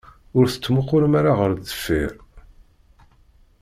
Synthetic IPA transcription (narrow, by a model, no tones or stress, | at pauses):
ʊɾθə̥t͡sːmʊqːʊɾmaɾaʁəɾəfːiɾ